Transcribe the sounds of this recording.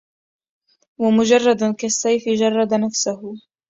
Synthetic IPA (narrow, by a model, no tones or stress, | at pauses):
wamʊd͡ʒɑrˤːɑd̪kasːajfɪd͡ʒɑrˤːɑd̪anafsʊhʊ